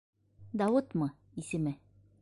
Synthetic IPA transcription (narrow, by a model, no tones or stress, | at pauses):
d̪ɑwɤt̪mɤ | isɘ̆mɘ